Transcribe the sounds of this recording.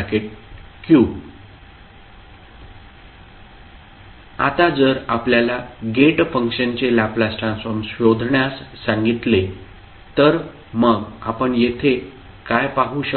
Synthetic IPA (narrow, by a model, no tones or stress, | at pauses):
keʈ̚ | kjuː | a̰t̪ad͡zəɾapljalaɡeʈfəŋkɕənt͡ɕelaplasʈɾãnsfɔɾmsʋjod̪ʱɳjasːãŋɡit̪le | t̪əɾ | məɡa̰pəɳjet̪ʰe | kajpaɦuːɕə